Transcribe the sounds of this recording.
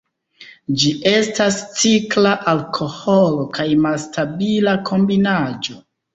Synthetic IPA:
d͡ʒiʔe̞stast͡siklaʔalkʰo̞holo̞kajmalstabilakʰo̞mbinad͡ʒo̞

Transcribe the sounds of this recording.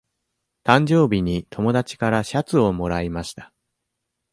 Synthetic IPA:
t̪ãɲ̟d͡ʑo̞ːbʲiɲ̟it̪ʰo̞mo̞d̪at͡ɕi̥kaɾaɕat͡sɨo̞mo̞ɾaimaɕi̥t̪ḁ

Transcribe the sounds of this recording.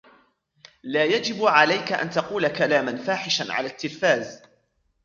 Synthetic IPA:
laːjad͡ʒɪbʕalajkaʔa̰nt̪ɑquːlakalaːmanfaːħɪʃanʕa̰laːt̪ːɪlfaːz

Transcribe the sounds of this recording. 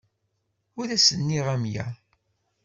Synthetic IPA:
ʊɾæsənːiʁæmjæ̰

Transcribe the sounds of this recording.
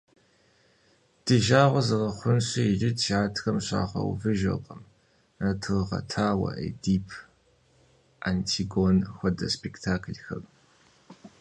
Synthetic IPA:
d̥ɨʒaːʁʷɐzɨʁɐχʷʊnɕɐiʒɪtʃaːtʰxɐmɕa̰ːʁɐ̰w̰vɨʒɐ̰qɐm | nɐtʰɨʁɐ̰tʰaːwɐ̰ʔḛdiːpʰ | ʔantʰiɡonxʷɐdɐspʰektʰaːkʰlxɐp

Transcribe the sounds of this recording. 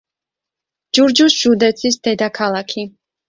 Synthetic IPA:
d͡ʒuɾd͡ʒusʒ̥ud̪ɛt̪sʰisd̪ɛd̪akʰalˠakʰi

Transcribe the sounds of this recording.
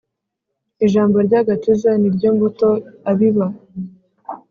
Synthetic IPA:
iʒaːmboɾɟaɡatizaniɾɟoːmɡuto̞aβiβa

